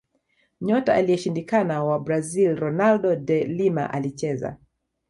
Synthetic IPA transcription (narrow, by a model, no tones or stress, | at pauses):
ɲɔtaʔaliɛʃindikanawabɾazilɾɔnaldɔdɛlima̰ʔalit͡ʃɛza̰